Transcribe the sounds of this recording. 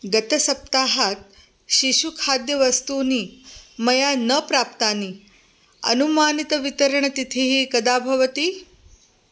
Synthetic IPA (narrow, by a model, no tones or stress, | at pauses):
ɡət̪ɐsɐp̚t̪aːɦat̪̚ | ɕiɕukʰad̪jɐʋɐst̪uːniːmɐjanəpɾap̚t̪aniː | ɐ̰numaːnit̪əʋit̪əɾəɳət̪it̪ʰiɦiːkɐd̪aːbʱɐʋət̪iː